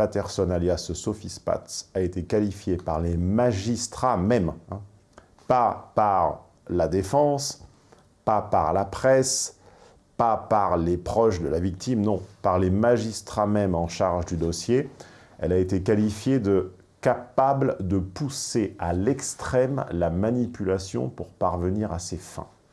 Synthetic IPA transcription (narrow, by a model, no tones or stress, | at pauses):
pat̪ɛʁsɔnaljasəsɔfispa̰t̪saet̪ekalifjepaʁlemaʒist̪χamɛmɛ̃ | papaʁ | lad̪efɑ̃s | papaʁlapχɛs | papaʁlepχɔʃd̪əlavik̚t̪imnɔ̃paʁlemaʒist̪χamɛmɑ̃ʃaʁʒd̪yd̪ɔsje | ɛ̰laet̪ekalifjed̪ə | kapabld̪əpusealɛkst̪χɛmlamanipylasjɔ̰̃puʁpaʁvəniʁasefɛ̰̃